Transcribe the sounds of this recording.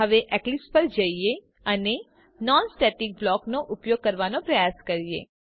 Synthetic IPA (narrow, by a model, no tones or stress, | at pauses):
ɦəʋeʔɛklɪspəɾd͡ʒəie | əne | nɔːnsʈɛːʈɪk̚blɔːknoʔʊpjoːɡ̚kəɾʋanõpɾɐjaːskɐɾiḛː